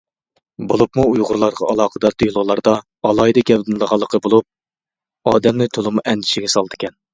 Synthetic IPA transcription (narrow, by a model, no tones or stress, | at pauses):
bolˠupmuujʁʊɾlˠɑɾʁɑɑlˠɑːqəd̪ɑt̪ʰøjlˠʊʁlˠɑɾd̪ɑ | ɑlˠɑjd̪ɨkʲɛd̪ɪnlˠəʁɑlˠːəqʰəbolˠup̚ | ɑːd̪ɛmnɪt̪ʰolˠɨmuʔɛnd̪ɪʃɪɡʲɛsɑlˠd̪ɨkʲʰɛn